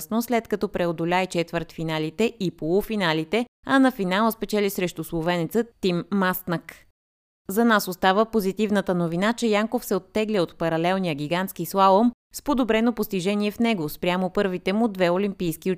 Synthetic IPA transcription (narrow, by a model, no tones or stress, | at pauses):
snoslɛt̪kɐt̪ɔpɾɛod̪ʊlʲajt͡ʃɛt̪vəɾt̪finalit̪ɛʔipolˠufinalit̪ɛ | ɐnɐfinalˠəspɛt͡ʃɛlisɾɛʃt̪uslˠovɛnɛt̪sət̪imːast̪nək | zɐnasost̪avəpozit̪ivnət̪ənovinat͡ʃɛjaŋkofsɛot̪ːɛɡliot̪pɐɾɐlɛlˠnijəɡʲiɡant̪skislˠalˠom | spod̪obɾɛnopost̪iʒɛniɛfnɛɡospɾʲjamopɤɾvit̪ɛmʊd̪vɛolimpijskio